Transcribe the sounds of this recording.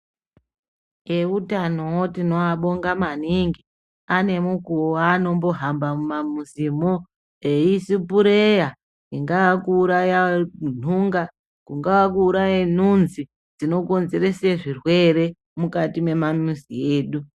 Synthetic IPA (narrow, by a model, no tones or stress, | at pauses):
eutanowotino̞aɓoŋɡamaniŋɡi | ane̞mukuwoano̞mbo̞ɦambamumamuzimo | eisipuɾeja | iŋɡawakuːɾajan̤uŋɡa | kuŋɡawakuːɾajen̤unzi | d͡zino̞ko̞nze̞ɾe̞seʐirwe̞ɾe̞ | mukatime̞mamusieːɗu